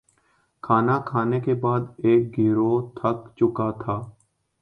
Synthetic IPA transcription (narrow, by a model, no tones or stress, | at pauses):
kʰaːnaːkʰaːneːkeːbaːd̪eːk̚ɡiːɾoːt̪ʰəkt͡ʃʊkaːt̪ʰaː